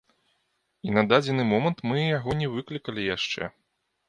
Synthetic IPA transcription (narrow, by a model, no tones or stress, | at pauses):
inɐd̪ad͡zʲɛnɨmɔmɐnt̪mɨjaɣɔnʲɛvɨklʲikɐlʲijaʂt͡ʂɛ̰